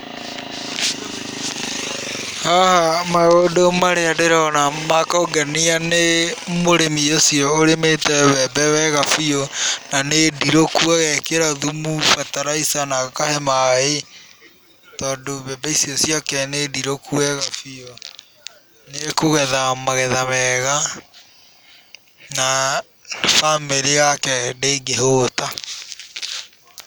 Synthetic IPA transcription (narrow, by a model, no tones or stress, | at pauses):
hahamaɣodomaɾeadeɾanamakoɡɛnianemoɾemiosiɔoɾemetɛwɛbɛwɛɣafionanediɾokuaɣɛkeɾaðumufataɾaisanakahemae | tɔːdoβɛbɛisiɔsjɔkɛnediɾokʰuwɛɣafio | nekoɣɛðamaɣɛðaβɛɣa | na | fameɾiɣakɛdeːɡeɦoːta